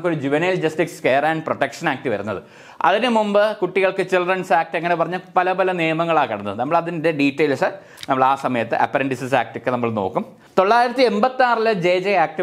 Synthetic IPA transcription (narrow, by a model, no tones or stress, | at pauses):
kːoɾud͡ʑiʋɐneːld͡ʑɐsʈikske̞ːraːnproʈːekʂɐnaːk̚ʈiʋɐɾunːɐ̰ðɨ̰ | ɐ̰ðinɨmumbɨkuʈːiɣɐɭkɨt͡ɕilrɐnsaːk̚ʈeŋːɐnepɐrɐɲːɨpɐlɐpɐlɐnijɐmɐŋːɐɭaːkɐɽɐnːɐðnɐmːɐɭɐðinide̞ɖiːtːejlsɨ | nɐmːɐɭaːsɐmɐjɐt̪ːɨʔɐ̰pːɐɾɐɳɖisisaːk̚ʈɨkʲːɨnɐmːɐɭno̞̰ːkːum | t̪o̞ɭːaːjiɾɐt̪ːie̞mbɐt̪ːaːrilɐd͡ʑeːd͡ʑeaːk̚ʈi